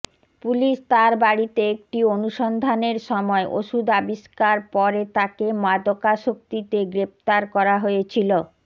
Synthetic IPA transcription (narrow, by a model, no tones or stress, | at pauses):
puliʃt̪aɾbaɽit̪eek̚ʈionuʃond̪ʱaneɾʃɔmɔeʔo̰ʃud̪abiʃkaɾpɔɾet̪akemad̪okaʃok̚t̪it̪eɡɾep̚t̪aɾkɔɾaɦojet͡ɕʰilo